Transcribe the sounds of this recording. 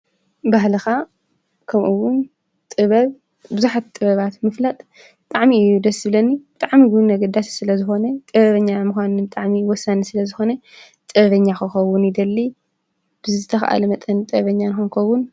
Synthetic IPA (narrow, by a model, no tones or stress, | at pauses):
baɦlɐxa | kʰɐmʔuwʊn | t̪ʼɨβɐβ | bɨzuħat̪t̪ʼɨβɐβat̪mɨflat̪ʼ | bɨt̪ʼaʕmiɨjud̪ɐsːɨbɨlɐnːibɨt̪ʼaʕmiɡunːɐɡɐd̪asi̥sɨlɐzɨxo̞nɐt̪ʼɨβɐβɐɲːamuxʷanɨnbɨt̪ʼaʕmiwɔsːanisɨlɐzɨxo̞nɐ | t̪ʼɨβɐβɐɲːaxɐxɐwːʊnid̪ɐlːi | b̥ɨzɨzɨt̪ʰɐxʔa̰lɐmɐt̪ʼɐnt̪ʼɨβɐɲːanɨxonkʰɐwːʊn